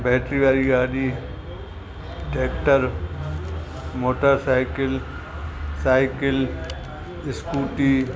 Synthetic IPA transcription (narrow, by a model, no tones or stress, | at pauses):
bɛːʈɾiʋaːɾiɡaːɖiː | ɖeːkʈəɾ | moːʈəɾsaːɪkɪl | saːɪkɪl | ɪskuːʈiː